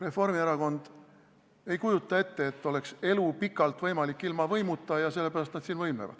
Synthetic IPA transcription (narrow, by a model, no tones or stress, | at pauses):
re̞fo̞rmieɾɑko̞nd̪̥ | e̞jkujut̪ːˑɑe̞t̪ːe̞et̪ːˑo̞le̞kse̞lupikːˑɑlt̪vɤjmɑlikːilmɑvɤjmut̪ˑːɑjɑse̞lːe̞pæɾɑst̪nd̪siːnvɤjmevɑ̰d̪̥